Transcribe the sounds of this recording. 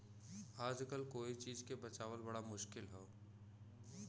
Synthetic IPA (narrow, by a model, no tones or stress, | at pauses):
aːd͡ʒkəlkoːit͡ʃiːzkebɐt͡ʃaːʋəlbɐɽamʊʃkɪlɦoː